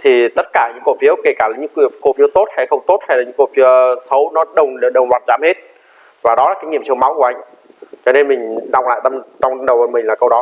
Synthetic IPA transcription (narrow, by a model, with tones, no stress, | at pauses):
t̪ʰi˨˩t̪ə˦˥t̚kaː˧˩ɲɨ̰˧˥ŋko̰˧˨fi˨˦əwke˧˩kaː˧˩li˨˦ɲɨ̰˧˥kḭ˧˨əko˧˩fi˨˦əwt̪o˦˥t̚ha˧˩jxə˧wŋ͡mt̪o˦˥t̚ha˧jaː˨˩ɲɨ̰˧˥ŋko̰˧fi˨˦əsə˨˦wnɔ˨˦ɗə˨˩wŋ͡mlɗə˨˩wŋ͡mzwaː˨˩t̚zaː˨˦mhe˦˥t̚ | vaː˨˩ɗɔ˨˦laː˨˩kaː˨˦jɲḭ˧˨əmt͡ɕɨ˧əma˨˦wku˧˩ʔa˧jŋ̟ | t͡ɕɔ˧ne˧nmï˨˩ŋ̟ɗa˨˩wŋ͡mla̰ː˧˨jt̪ə˧mt͡ɕɔ˧wŋ͡mɗə˨˩wə˨˩mï˨˩ŋ̟laː˨˩kə˧wɗɔ˨˦